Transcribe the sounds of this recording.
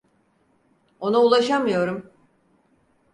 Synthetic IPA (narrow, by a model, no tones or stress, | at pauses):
o̞naulˠaʃamɯjo̞ɾum